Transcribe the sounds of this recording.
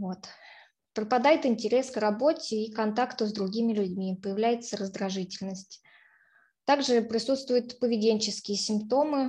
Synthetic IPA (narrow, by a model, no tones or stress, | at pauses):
vo̞t̪ | pɾəpɐd̪ajɪt̪ɪnʲtʲɪɾʲe̞skrɐbo̞tʲɪːkɐnt̪akt̪ʊzd̪ɾʊɡʲimʲɪlʲʉdʲmʲipəjɪvlʲæjɪt̪səɾəzd̪ɾɐʐɨtʲɪlʲnəsʲtʲ | t̪aɡʐɨpɾʲɪsut̪st̪vʊjʊt̪pəvʲɪdʲenʲt͡ɕɪskʲɪjəsʲɪmpt̪o̞mɨ